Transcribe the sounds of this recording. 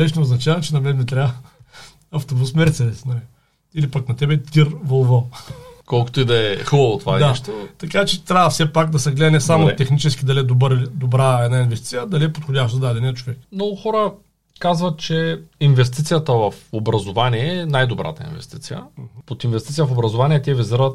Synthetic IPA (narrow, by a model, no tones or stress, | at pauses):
nɛʃnɛoznɐt͡ʃavɐt͡ʃɛnɐmɛnd̪ɛt̪ɾʲavə | ɐft̪obusmɛɾt̪sɛd̪ɛsnɐli | ilipaknɐt̪ɛbɛt̪iɾvolˠvəkɔlˠko̥t̪oid̪ɐɛxubɐvot̪vad̪aʃt̪ot̪ɐkat͡ʃɛt̪ɾʲavəfsɛpakd̪ɐsɛɡlɛnɛsamot̪ɛxnit͡ʃɛskʲid̪ɐliɛd̪obəɾd̪obɾaɛd̪nainvɛst̪i̥t̪ijəd̪ɐliɛpot̪xodʲaʃt̪ozd̪ad̪ɛniɐt͡ʃovɛkmnɔɡʊxɔɾə | kazvɐt̪̚t͡ʃɛinvɛst̪it̪sijət̪əvɐfobɾɐzovaniɛnajd̪obɾa̰t̪əḭnvɛ̰st̪it̪sijə̰m̩hpot̪invɛst̪it̪sijəfobɾɐzovanʲiɛt̪ʲiɛvizəɾət̪̚